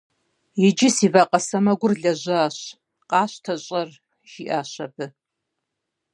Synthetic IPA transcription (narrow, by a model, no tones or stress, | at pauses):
jɪd͡ʒɪsiːvaqʼɐsɐmɐɡʷʊrɮɐʑʷɐaːɕ | qʼɑːɕtʰɐɕʼɐr | ʒ̥iʔaːɕɐbɨ